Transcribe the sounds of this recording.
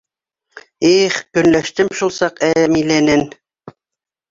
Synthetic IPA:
eχkɵ̆nlæʃt̪ɘmʃulˠsɑqæmilænɘn

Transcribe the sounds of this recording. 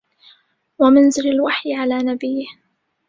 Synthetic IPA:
wamɪnzɪɾalwaħjɪʕalaːnabɪjːɪh

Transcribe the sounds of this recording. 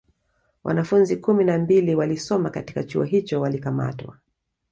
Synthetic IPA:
wʔa̰nafunzikuminambiliwalisɔmakati̥kat͡ʃuɔɦit͡ʃɔwalikama̰twa̰

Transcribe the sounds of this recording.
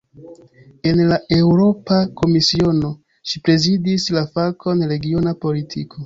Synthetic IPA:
e̞nlae̞wɾo̞pako̞misio̞no̞ | ʃipɾe̞zidislafakʰo̞nɾe̞ɡio̞napo̞litʰikʰo̞

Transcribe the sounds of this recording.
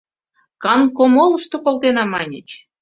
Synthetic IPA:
kɑnkomolə̆ʃt̪okolt̪enɑmɑnʲə̰t͡ɕ

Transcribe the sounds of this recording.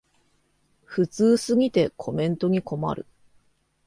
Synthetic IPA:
ɸɯ̟t͡sɨːsɨɡʲit̪e̞kʰo̞mẽ̞nt̪o̞ɲ̟iko̞ma̰ɾɯ̟̰

